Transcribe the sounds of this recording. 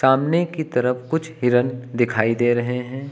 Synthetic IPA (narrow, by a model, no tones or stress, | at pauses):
saːmnekit̪ɐɾəfkʊt͡ʃʰɦɪɾənd̪ɪkʰaːid̪eːɾɐɦeɦɛ̃ː